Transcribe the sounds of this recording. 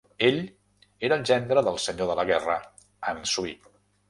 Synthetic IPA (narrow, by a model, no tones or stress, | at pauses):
eʎ | eɾəːlʒɛnd̪ɾəðəlˠsəɲoðələɣɛrə | ənsui